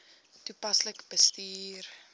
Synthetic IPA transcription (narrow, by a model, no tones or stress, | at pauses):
tupɐsləkb̥əstiːr